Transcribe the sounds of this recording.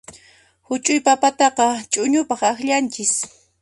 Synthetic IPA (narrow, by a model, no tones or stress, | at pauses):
hʊt͡ʃʼʊjpapat̪ɑqɑt͡ʃʼʊɲʊpɑχaχʎant͡ʃɪs